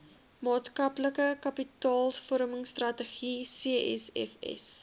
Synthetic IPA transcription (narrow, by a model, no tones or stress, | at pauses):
mɑːtskɐpləkəkɐpitɑːlˠsfɔɾməŋstrɐtəχisiəʔɛ̰sɛ̰fɛ̰s